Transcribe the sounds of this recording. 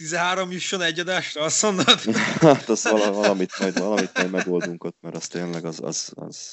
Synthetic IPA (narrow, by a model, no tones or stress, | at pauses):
t̪izɛɦaːɾomjyʃːonɛɟːɒd̪aːʃrɒɒsonːɒd̪at̪ɒsʋɒlɒvɒlɒmit̪mɒjd̪vɒlɒmit̪mɒjd̪mɛdɡo̞ltd̪uŋkot̪ːmɛɾɒst̪eːnlɛɡɒzɒ̰z̥ɒ̰z̥